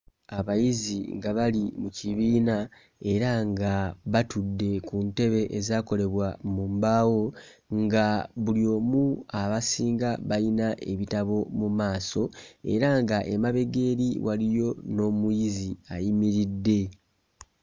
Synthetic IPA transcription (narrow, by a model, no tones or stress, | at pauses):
aβajiziŋɡaβalimuciβiːna | e̞ɾaŋɡaβatudːe̞kunte̞βe̞ʔezaːko̞le̞βwamumbaːwo̞ | ŋɡaβulio̞ːmuaβasiːŋɡaβajinaʔe̞βitaβo̞mumaːso̞e̞̰ɾaŋɡaʔemaβe̞ɡe̞ːɾiwʔalijo̞no̞ːmujiziajimiɾidːe̞